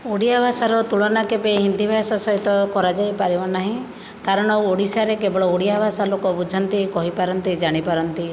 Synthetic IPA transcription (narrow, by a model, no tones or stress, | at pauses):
uɽijabʱasaɾɔt̪uɭɔnakebeɦind̪ʱibʱasasɔɦit̪ɔkɔɾad͡ʒajpaɾibɔnaɦĩ | kaɾɔɽ̃ɔoɽisaɾekebɔɭɔuɽijabʱasalokɔbud͡ʒʱɔnt̪ikɔɦipaɾɔnt̪id͡ʒaɽ̃ipaɾɔnt̪i